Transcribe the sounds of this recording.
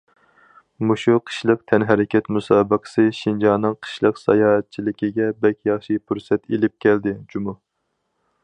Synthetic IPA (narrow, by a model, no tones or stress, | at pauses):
muʃuqʰə̥ʃlˠəq̚t̪ʰɛnɦæɾɪkʲʰɛt̪musɑːbəqʰə̥sɨʃind͡ʒɑːnɨŋqʰə̥ʃlˠəqsɑ̰jɑːɦɛt̪̚t͡ʃʰilɪkʲiɡʲɛbɛkʲjɑχʃipʰuɾsɛt̪elɪp̚kʲʰɛld̪ɪd͡ʒumʊ